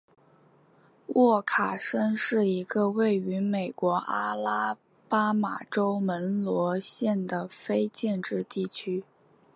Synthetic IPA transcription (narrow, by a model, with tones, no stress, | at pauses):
wɔ˥˩kʰa˨˩ʂə˥nʂɻ̩˥˩i˧˥ɡə˧we˥˩ɪy˧˥me˨˩ɪkwɔ˧˥ʔa˥la˥ | pa˥ma̰˨˩ʈ͡ʂo˥ʊmə˧˥nlwɔ˧˥ɕjɛ˥˩nd̪ə˩fe˥ɪt͡ɕjɛ˥˧nʈ͡ʂɻ̩˥˧t̪i˥˩t͡ɕʰy˥